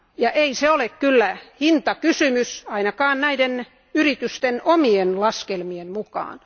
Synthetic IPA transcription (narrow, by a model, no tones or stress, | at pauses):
jɑʔeiseolekkylːæhint̪ɑkysymysɑinɑkɑːnnæiden | yrit̪yst̪enomienlɑskelmiemmukɑ̰ːn